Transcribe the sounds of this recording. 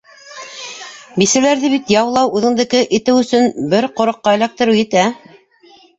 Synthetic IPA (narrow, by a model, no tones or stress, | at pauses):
bisæ̆læɾðɘβit̪jɑwlˠɑwʉðɘ̆ŋd̪ɘ̆kɘʔit̪ɘwɵ̆sɵnbɘɾqŏɾŏqːɑĭlæk̚t̪ɘ̆ɾɘwjɘ̆t̪æ